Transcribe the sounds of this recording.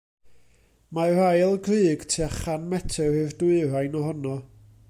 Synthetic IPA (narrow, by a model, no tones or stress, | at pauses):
mar̥ajlˠɡrɨːɡ̥tʰiaχanmɛtʰɛɨrdʊɨrajnɔhɔnɔ